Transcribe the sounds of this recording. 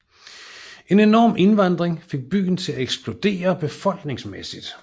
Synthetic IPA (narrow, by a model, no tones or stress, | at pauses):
ʔe̝ne̝nɒ̰ːme̝nʋɑ̈nd̥ʁeŋfe̝ɡ̥̚b̥y̰ːn̩t͡sʰe̝læeɡ̥sb̥lo̝d̥e̝̰ːɐb̥e̝fɒ̽l̰ɡ̥ne̝ŋsmesid̥